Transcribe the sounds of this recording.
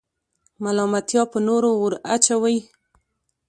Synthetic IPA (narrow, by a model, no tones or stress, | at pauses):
malɑmat̪jɑpənoɾowʊɾat͡ʃawaj